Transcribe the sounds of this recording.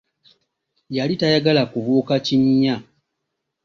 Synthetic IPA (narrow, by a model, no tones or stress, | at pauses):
jalitajaɡalakuvuːkaciɲa